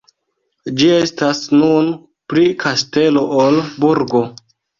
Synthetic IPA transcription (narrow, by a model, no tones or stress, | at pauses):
d͡ʒie̞stasnun | pɾikʰaste̞lo̞ʔolbuɾɡo̞